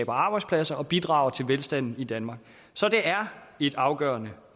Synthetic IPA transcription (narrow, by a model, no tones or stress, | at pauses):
b̥ɐɑ̈ːb̥ɑ̈ɪdspʰlæsɐʔɒ̽b̥id̥ʁɑ̰̈ːʊɐt͡sʰe̝lʋelsd̥æn̰n̩id̥ænmɑ̈ːɡ̥̚ | sɒ̽d̥e̝ʔæɐe̝d̥ɑ̈ʊɡ̥ɶːɐnə